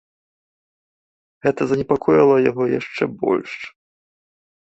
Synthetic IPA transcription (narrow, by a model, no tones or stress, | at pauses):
ɣɛt̪ɐzɐnʲɛpakʰɔjɐlˠɐjaɣɔjaʂt͡ʂɛbɔ̰lʲʂt͡ʂ